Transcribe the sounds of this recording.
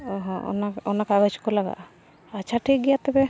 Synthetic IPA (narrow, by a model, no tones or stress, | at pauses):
ɔɦɔ̃ɔ̰naɔnakabət͡ʃkɔlaɡa̰ʔ | at͡ʃʰaʈʰik̚ɡɛjat̪ɛbɛ